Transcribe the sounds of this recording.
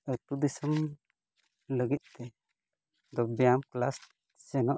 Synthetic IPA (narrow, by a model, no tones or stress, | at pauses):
ət̪ud̪isəm | ləɡit̪̚t̪ɛ | d̪ɔbijamklas | sɛnɔʔ